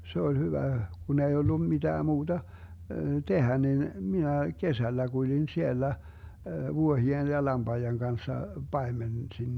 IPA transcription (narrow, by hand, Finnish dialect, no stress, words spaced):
se ol hyʋæ kun ei olːu mid̥æː muːd̥ɑ tehæ nin minæ kesælːæ kulʲin sielːæ ʋuohien jɑ lɑmb̥ɑijeŋ ɡ̊ɑnsːɑ pɑemensin